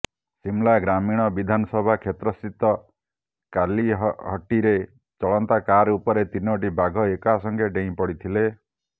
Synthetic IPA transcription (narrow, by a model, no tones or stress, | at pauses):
simlaɡɾamiɽ̃ɔbid̪ʱanɔsɔbʱakʰet̪ɾɔsit̪ɔ | kaliɦɔʈiɾe | t͡ʃɔɭɔnt̪akaɾupɔɾet̪inɔʈibaɡʱɔekasɔŋkeɖeĩpɔɽit̪ʰile